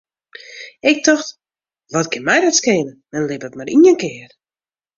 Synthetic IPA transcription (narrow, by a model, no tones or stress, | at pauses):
ɪk̚tɔxt | ʋɔtkɪnmɛjdɔtskɪːnəmɛnlɪpətmaɾʔiənkɪər